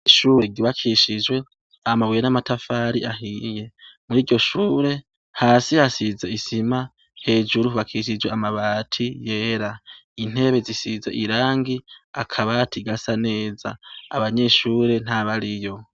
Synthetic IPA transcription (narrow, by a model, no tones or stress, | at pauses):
ʃuɾe̞ɡiβakʰiʃid͡ʒwe̞ | amawijenamatafaɾḭʔaɦije̞muɾiːɾɟo̞ʃuːɾe̞ | haːsihasizeisima | he̞ːd͡ʒuɾuuβakʰiʃ̬id͡ʒweamaβatʰije̞ːɾain̥he̞βe̞zisizeʔiɾaːŋɡiakʰaβatʰiɡasane̞ːza̰ːβaɲe̞ʃuːɾe̞n̥haβaɾijo̞